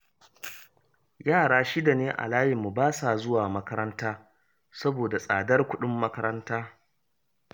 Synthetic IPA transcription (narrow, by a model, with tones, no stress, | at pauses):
jaː˦˨ɽaː˦ʃi˦da˨neː˦ʔa̰˨laː˦jɪ˨mːu˨baː˦saː˨zʊ˦waː˨mɐ˦kɐ˦ɾɐ˦ntaː˦ | sɐ˦boː˨da˨sʼaː˨dɐ˦rkʷʊ˦ɗʊ˦mːɐ˦kɐ˦ɾɐ˦ntaː˦